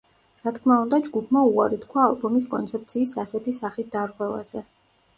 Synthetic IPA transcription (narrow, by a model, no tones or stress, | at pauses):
ɾat̪ʰkʰmaund̪ad͡ʒɡupʰmauaɾit̪kʰwaːlˠbɔmis̬kʼɔ̰nt̪sʰɛp̚t̪sʰiːsasɛt̪ʰisaχit̪̚d̪̥aɾʁwɛva̰z̥ɛ